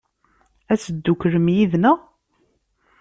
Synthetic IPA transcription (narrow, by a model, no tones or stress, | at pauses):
æsəd̪ːukɾəmjiðnə